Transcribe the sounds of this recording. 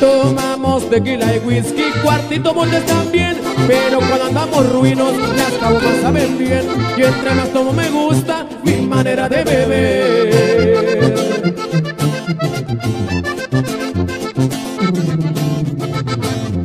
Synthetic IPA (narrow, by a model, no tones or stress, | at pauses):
t̪omamosd̪ekilaeɣwiskikwaɾt̪it̪̬omold̪est̪ambjen | peɾokwand̪and̪amosruinosnesk̪aβomosaβembjenient̪ɾemast̪omomeɣust̪a | mimaneɾaðeβeβe | ɾ